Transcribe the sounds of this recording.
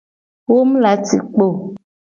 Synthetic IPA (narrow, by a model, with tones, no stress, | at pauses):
wo˦m̩˦la˨˦tḭ˨k͡po˦˨